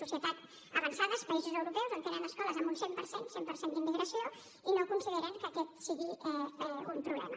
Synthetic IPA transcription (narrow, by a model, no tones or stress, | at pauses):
usiət̪at̪ | əβənsaðəspəizuzəwɾupɛwzənt̪eɾanəskɔləzəmbunsempəɾsensempəɾsend̪imːiɣɾəsio | inoəkunsiðeɾaŋkəkɛt̪siɣiɛɛumpɾuβlɛ̰mə